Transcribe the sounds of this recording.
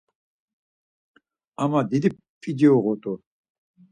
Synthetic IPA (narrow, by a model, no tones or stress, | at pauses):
amad̪id̪i | pid̪ɛɔɣɔt̪ʼɔ